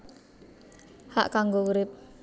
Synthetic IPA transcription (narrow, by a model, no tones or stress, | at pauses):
ha̰ʔkaŋɡouɾɪp̚